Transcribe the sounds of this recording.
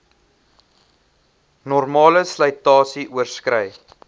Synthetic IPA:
nɔrmɑːləsləjtɑːsiʔuərskrəj

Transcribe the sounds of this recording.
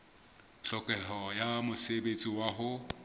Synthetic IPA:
ɬɔkʼɛɦɔjamʊsebet͡sʼiwaɦʊ

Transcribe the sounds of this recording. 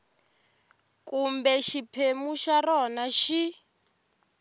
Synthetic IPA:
kumbɛʃipʰemuʃaɾɔnaʃi

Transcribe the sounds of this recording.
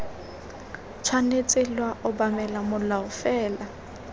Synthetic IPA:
t͡ʃʰwanet͡sʼɪlwaʔʊbamɛlamʊlaʊfɛːla

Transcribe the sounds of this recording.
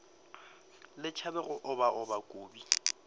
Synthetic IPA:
lɪt͡ʃʰabɛɣʊʔʊbaʔʊbakʼoːbi

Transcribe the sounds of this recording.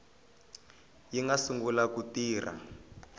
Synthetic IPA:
jiŋɡasuŋɡulakutiːrʔa̰

